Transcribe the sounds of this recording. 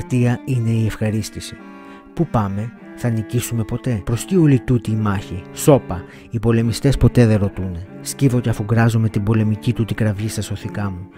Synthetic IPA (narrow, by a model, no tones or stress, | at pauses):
ɾt̪iɐine̞iefxɐɾist̪isi̥ | pupɐme̞ | θɐnicisume̞po̞t̪e̞pɾo̞sciolit̪ut̪iːmɐçiso̞pɐ | ipo̞le̞mist̪e̞spo̞t̪e̞ðe̞nɾo̞t̪une̞ | scivo̞ceɐfoɡɾɐzome̞t̪ibo̞le̞micit̪ut̪iɡɾɐvʝist̪ɐso̞θikɐmu